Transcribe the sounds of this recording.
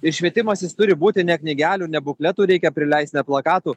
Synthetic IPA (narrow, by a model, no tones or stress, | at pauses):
ɪɾʃʲʋʲiɛt̪ʲɪmɐsʲjɪst̪ʊɾʲɪbuːt̪ʲɪnʲɛknʲɪɡʲæːlʲuːnʲɛbʊklʲɛt̪uːɾʲɛɪkʲɛpʲɾʲɪlʲɛɪsʲnʲɛplˠɐkɑːt̪uː